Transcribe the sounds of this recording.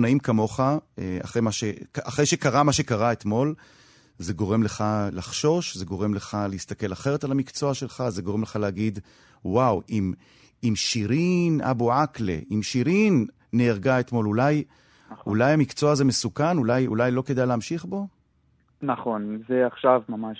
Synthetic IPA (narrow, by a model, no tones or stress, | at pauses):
naimkamo̞χaa̰χʁejmaʃekaχʁe̞jʃekaʁamaʃe̞kaʁaet̪mo̞l | ze̞ɡo̞ʁe̞mle̞χalaχʃo̞ʃze̞ɡo̞ʁe̞mle̞χaleist̪ake̞laχe̞ʁet̪alamikt͡so̞aʃe̞lχaze̞ɡoemleχalehaɡid̪ | wawim | imʃiʁina̰boaklḛʔimʃiʁinː | eːʁɡaet̪mo̞lulaj | ṵlajamikt͡so̞azeme̞sukanulajṵlajlo̞ke̞d̪ajleamʃiχbo̞ | naχo̞nzeaχʃavmamaʃ